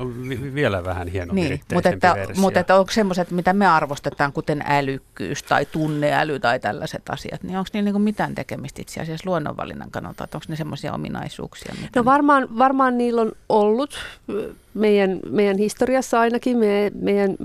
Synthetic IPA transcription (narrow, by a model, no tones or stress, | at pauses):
oʋiʋielæʋæhænhienoniːmmut̪et̪ːæmuet̪ːæoŋkssemːoset̪mit̪æmeɑrʋost̪et̪ɑːŋkut̪enælykːy̰ːst̪ɑ̰it̪unːeæ̰lyt̪ɑit̪ælːæset̪ɑ̰sḭɑ̰t̪niːoŋksniːlniːŋkummit̪æːnt̪ekemist̪ḭt̪siɑ̰siɑsluonːo̰ʋʋɑ̰lḭnːɑ̰ŋkɑnɑ̰lt̪ɑ̰ḛt̪ːoŋksnesemːosiɑ̰o̰mḭnɑ̰isṵːksiɑ̰nnoʋɑrmɑːnʋɑrmɑːnniːlːonolːut̪ | meijænmeijænhist̪oriɑsːɑɑinɑkimemeijæn